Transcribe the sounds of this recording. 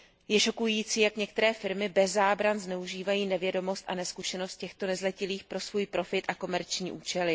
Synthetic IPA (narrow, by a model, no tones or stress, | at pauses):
jɛʃo̞kujiːt͡siːjakɲɛkt̪ɛɾɛːfɪɾmɪbɛzːaːbɾanznɛuʒiːvajiːnɛvjɛdo̞mo̞st̪ʔa̰nɛskuʃɛno̞st̪̚cɛxt̪o̞nɛzlɛcɪliːxpɾo̞svuːjpɾo̞fɪt̪ʔako̞mɛɾt͡ʃɲiːʔuːt͡ʃɛlɪ